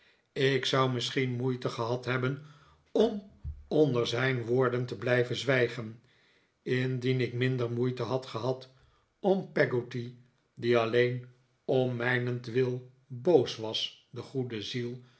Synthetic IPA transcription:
ɪksʌwmɪsχinmujtəχəɦɑtɦɛbən | ɔmɔndəɹzɛjnʋoːɹdəntəblɛjvənzʋɛjχən | ɪndinɪkmɪndəɹmujtəɦɑtχəɦɑt | ɔmpɛɡoti | diɑlejn | ɔmmɛjnəntʋɪlˠ | bowsʋɑsdəχudəzilˠ

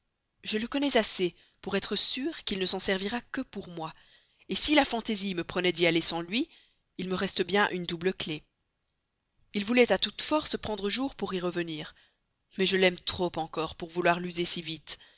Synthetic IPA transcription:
ʒələkɔnɛzase | puʁɛt̪χəsyʁkʲilnəsɑ̃sɛʁviʁakəpuʁmwa | esilafɑ̃t̪eziməpχənɛd̪ialesɑ̃lɥi | ilməʁɛst̪əbjɛ̃ʔynd̪ubləkle | ilvulɛt̪at̪ut̪fɔʁsəpχɑ̃d̪ʁəʒuʁpuʁiʁəvəniːʁ | mɛʒəlɛmt̪χopɑ̃kɔʁpuʁvulwaʁlyzesivit̪

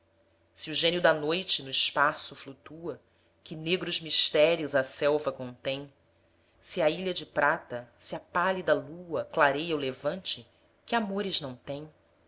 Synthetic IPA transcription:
siuʒẽniʊd̪ɐnojt͡ʃɪnʊiʃpasʊflut̪uɐ | kʲɪneɡɾʊzmiʃt̪ɛɾiʊzɐsɛwvɐkõnt̪ẽj̃ | siɐiʎɐd͡ʒɪpɾat̪ɐsiɐpalid̪ɐluɐklaɾejɐʊlevɐ̃nt͡ʃɪ | kɪamoɾɪznɐ̃w̃t̪ẽj̃

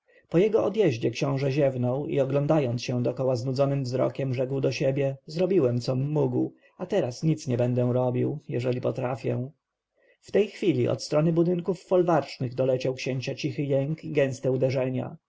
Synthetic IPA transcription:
pɔjɛɡɔʔɔd̪jɛʑd͡ʑɛkɕɔ̃w̃ʐɛʑɛvnɔwḭɔɡlɔnd̪ajɔnt̪sɕɛ̃d̪ɔkɔwaznud̪zɔnɘmvzɾɔ̰kʲɛmʐɛkwd̪ɔɕebʲjɛzɾɔbʲiwɛmt̪sɔmːuɡw | at̪ɛɾasɲit̪sɲɛbɛnd̪ɛ̃ɾɔbʲiwjɛʐɛlʲipɔt̪ɾafʲjɛ̰̃ | ft̪ɛjxfʲilʲiʔɔ̰t̪st̪ɾɔnɘbud̪ɘŋkufːɔlvaɾt͡ʂnɘɣd̪ɔlɛt͡ɕawkɕeɲt͡ɕat͡ɕixɘjɛŋkiɡɛ̃w̃st̪ɛud̪ɛʐɛɲa̰

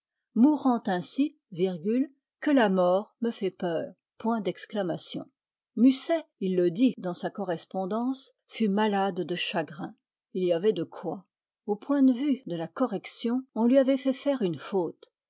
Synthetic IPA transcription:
muʁɑ̃t̪ɛ̃si | viʁɡʲyl | kəlamɔʁməfɛpœːʁ | pwɛ̃d̪ɛksklamasjɔ̰̃ | mysɛilːəd̪id̪ɑ̃sakɔʁɛspɔ̃d̪ɑ̃s | fymalad̪ːəʃaɡʁɛ̃ | iliavɛd̪əkʰwa | opwɛ̃d̪əvyd̪əlakɔʁɛksjɔ̃ɔ̃lɥiavɛfɛfɛʁynfot̪

